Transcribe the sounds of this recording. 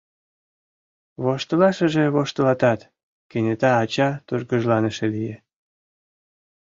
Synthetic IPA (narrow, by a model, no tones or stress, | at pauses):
βoʃt̪əlɑʃəʒĕβoʃt̪əlɑt̪ɑt̪ | kenʲet̪ɑːt͡ɕɑt̪uʒɡəʒlɑneʃelije